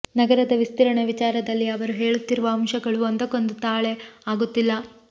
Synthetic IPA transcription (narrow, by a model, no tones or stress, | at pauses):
nɐɡɐɾɐd̪ɐʋist̪iɾɐɳɐʋit͡ʃaːɾɐd̪ɐlːiɐʋɐɾuɦe̞ːɭut̪ːiɾuʋɐɐmʃɐɡɐɭuɐnd̪ɐkond̪ut̪aːɭeaːɡut̪ːilːɐ